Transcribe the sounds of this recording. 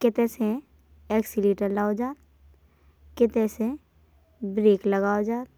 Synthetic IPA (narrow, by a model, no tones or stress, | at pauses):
kɪt̪ẽse | ɛːksiliːʈəɾlaːod͡ʒaːt̪̚ | kɪt̪ẽse | bɾeːkləɡaːod͡ʒaːt̪